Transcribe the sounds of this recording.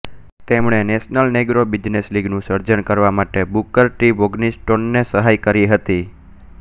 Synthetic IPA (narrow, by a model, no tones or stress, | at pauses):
t̪emɳ̃enesnəlneɡɾobid͡ʒnesliɡnũsəɾd͡ʒənkəɾʋamaʈebukəɾʈiʋoɡnisʈonːesəɦajkəɾiɦət̪i